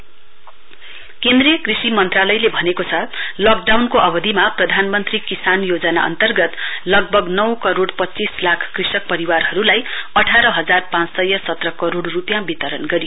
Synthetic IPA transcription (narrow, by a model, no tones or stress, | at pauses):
kend̪rijʌkrisimʌnt̪ralʌjlebʱʌnekot͡sʰʌlʌk̚ɖawnkoʔʌbʌd̪ʱimaprʌd̪ʱanmʌnt̪rikisanjod͡zʌna̰ʌ̰nt̪ʌrɡʌt̪lʌɡ̚bʱʌɡnʌwkʌɾoɽpʌt͡sislakʰkrisʌk̚pʌɾiwarɦʌɾulajʌʈʰaɾʌɦʌd͡zarpãt͡ssʌjʌsʌt̪rʌkʌɾoɽrupjãbit̪ʌɾʌnɡʌɾijo